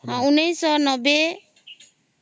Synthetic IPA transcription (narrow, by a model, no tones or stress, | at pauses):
hãunejsɔnɔbe